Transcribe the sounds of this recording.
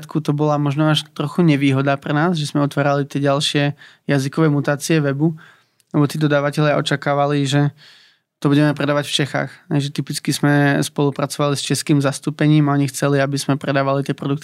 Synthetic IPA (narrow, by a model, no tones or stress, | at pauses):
t̪kut̪ɔbɔlamɔʒnɔaʃt̪ɾɔxuɲɛʋiːɦɔd̪aːpɾɛnaːzʒɛzmɛɔt̪ʋaːɾalit̪ɪɛɟalˠʃɪɛ | jazikɔʋɛmut̪aːt͡siɛʋɛbu | lɛbɔt̪iːd̪ɔd̪aːʋacɛʎɪaʔɔt͡ʃakaːʋaliʒɛ | t̪ɔbuɟɛmɛpɾɛd̪aːʋacft͡ʃɛxa̰ːxɦɛjʒɛt̪ipit͡skizmɛspɔlupɾat͡sɔʋalist͡ʃɛskiːmzast̪uːpɛɲiːmaɔɲixt͡sɛliabizmɛpɾɛd̪aːʋalit̪ɪɛpɾɔd̪uk̚t̪